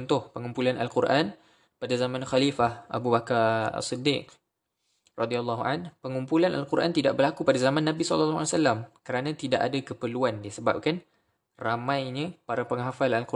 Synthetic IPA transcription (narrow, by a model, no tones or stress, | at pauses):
nt̪ʊhpəŋumpulanalkurʔan | padazamãnxalifahʔa̰bubakara̰sidɪk̚ | rɑdialːɑɦuanpəŋumpulana̰lkuɾʔa̰nt̪idaʔbərlakupadazamãnːãbisɔ̰lalːasalamkəɾanãt̪idaʔadakəpəluandiasəba̰p̚kan | ramãjɲə̃paɾapəŋɦafalalku